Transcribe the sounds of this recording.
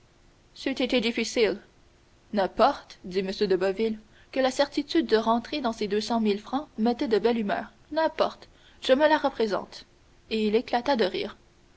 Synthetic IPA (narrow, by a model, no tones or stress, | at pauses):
syt̪et̪ed̪ifisil | nɛ̃pɔʁt̪d̪iməsjød̪əbɔvil | kəlasɛʁt̪it̪yd̪̚ːəʁɑ̃t̪χed̪ɑ̃sed̪øsɑ̃milfχɑ̃mɛt̪ɛd̪əbɛlymœ̰ːʁ | nɛ̃pɔʁt̪ | ʒ̥əməlaʁəpχezɑ̰̃ːt̪ | eileklat̪ad̪əʁḭːʁ